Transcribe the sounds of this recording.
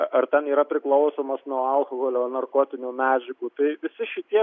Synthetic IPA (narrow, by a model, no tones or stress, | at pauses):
ɐrt̪ʲɛniːɾɐpʲɾʲɪklˠɐʊsoːmɐsnuɔɐlˠkoɣoːlʲoːnɐrkoːt̪ʲɪnʲuːmʲæːd͡ʒʲɪkuːt̪ɐɪʋʲɪsʲɪʃʲɪt̪ʲiɛ